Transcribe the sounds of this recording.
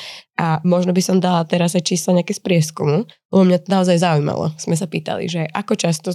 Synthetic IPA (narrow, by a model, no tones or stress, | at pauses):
ʔamɔʒnɔbisɔmd̪alat̪ɛɾazajt͡ʃiːslaɲɛakɛspɾɪɛskumu | ɛɛmɲat̪ɔnaɔzajzaujma̰lɔ̰z̥mɛs̬apiːt̪a̰lḭʒɛʔakɔt͡ʃast̪ɔ